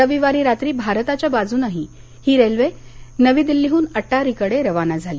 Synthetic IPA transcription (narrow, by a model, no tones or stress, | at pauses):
əʋiʋaɾiːɾat̪ɾiːbʱaɾət̪at͡ɕjabad͡zuːnaɦi | hiːɾelʋenəʋiːd̪ilːiɦuːnəʈːaɾikəɽeɾəʋanad͡zʱali